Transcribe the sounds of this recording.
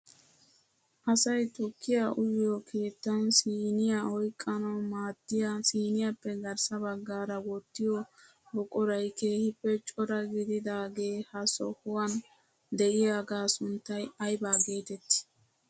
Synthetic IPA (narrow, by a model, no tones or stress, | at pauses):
ʔɐsɐjt̪ʊkːɪjaʔʊjɪjɔkʰeːt̪ːɐnsiːnɪjaɔjkʼːɐnɐmaːd̪ːɪjasiːnɪjapːɛɡɐɾsɐbɐɡːaːɾɐwɔt̪ːɪjɔ | bɔkʼɔɾɐjke̞ːhɪpːɛt͡ʃʼɔɾɐɡɪd̪ɪd̪aːɡe̞ːhɐsɔ̰hʊwɐn | d̪ɛʔɪjaːɡaːsʊnt̪ːɐjɐjbaːɡe̞ːt̪ɛt̪ːɪ̥